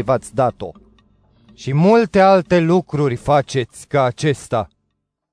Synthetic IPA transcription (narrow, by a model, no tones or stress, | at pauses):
vat̪sʲd̪at̪o̞̰ | ʃimult̪e̞alt̪e̞lukɾurʲfat͡ʃe̞t̪sʲkaːt͡ʃe̞st̪a̰